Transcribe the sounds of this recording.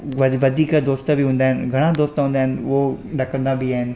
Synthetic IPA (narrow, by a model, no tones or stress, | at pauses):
ʋɐʋɐd̪ʱiːkəd̪oːst̪biɦũːn̆d̪aːɦɪnɪɡʱɐɽ̃ãd̪oːst̪əɦũnd̪aːɦɪnɪ̆oɗɐkə̃nd̪abiaːɦɪnɪ̆